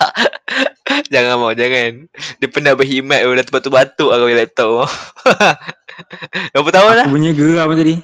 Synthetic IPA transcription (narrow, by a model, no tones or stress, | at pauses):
d͡ʒaŋanmawd͡ʒaŋandipənahbəɦimat̪̚ədat̪ubat̪ubat̪uaɡawilɛp̚t̪ɔʔ̚maw | dapət̪aanlapuɲaɡəɾamad͡ʒadi